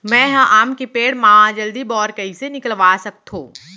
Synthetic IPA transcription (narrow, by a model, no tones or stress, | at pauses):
mɛ̃ɦɐ̃ʔaːmkepeːɽmaːɦãd͡ʒɐld̪ibɔːɾkəisenɪkəlʋaːsɐk̚t̪ɦõ̰ː